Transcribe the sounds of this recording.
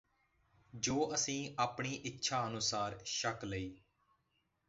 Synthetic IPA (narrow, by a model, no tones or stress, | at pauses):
d͡ʒoːʔəsĩːaːpɳiːʔɪtːʃʰaːənʊsaːɾʃəkləiː